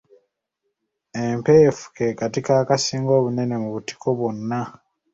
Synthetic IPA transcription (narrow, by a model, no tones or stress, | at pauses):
empeːfu̥ke̞ːkatikaːkasiːŋɡo̞ːβune̞ne̞muβuti̥kʰo̞βwonːa